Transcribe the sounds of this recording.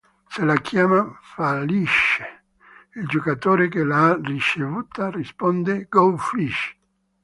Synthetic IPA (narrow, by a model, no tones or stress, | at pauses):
selakjaːmafaliʃe̥ | ild͡ʒokat̪oːɾekelaarit͡ʃevuːt̪arispɔnd̪eɡɔlfliʃ